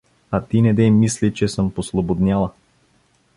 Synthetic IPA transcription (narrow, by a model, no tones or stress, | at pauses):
at̪inɛd̪ɛmːislit͡ʃɛsɤmposlˠobod̪nʲalˠɐ